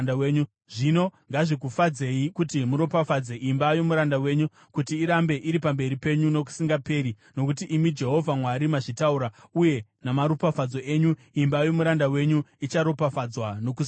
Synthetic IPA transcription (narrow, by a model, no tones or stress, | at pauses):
weɲu | ʐ̥ino̞ŋɡaʐikufad͡ze̞ikutimuɾo̞pafad͡ze̞ʔimbajo̞muɾandawe̞ɲu | kutiːɾambe̞ʔiɾipambe̞ɾipe̞ɲuno̞k̬u̥siŋɡape̞ːɾi | no̞kut̬iʔːmid͡ʒe̞ɦo̞vʱamwaɾimaʐitauɾauje̞namaɾupafad͡zo̞e̞ːɲu | imbajomuɾandawe̞ɲuit͡ʃaɾo̞pafad͡zwano̞k̬us